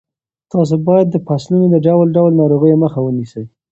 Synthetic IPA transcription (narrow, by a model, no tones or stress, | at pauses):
t̪ɑs̬obɑjad̪ːəpɑslunod̪əɖawlɖawlnɑɾoɣəjoməxawənisəj